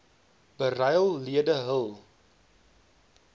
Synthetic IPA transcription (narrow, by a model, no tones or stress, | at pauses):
b̥ərɐjəlˠliədəɦəlˠ